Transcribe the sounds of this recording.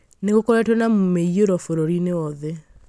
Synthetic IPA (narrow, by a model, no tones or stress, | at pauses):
neɣokɔɾɛtwɔnamomeioɾɔfoɾoɾinewɔðɛ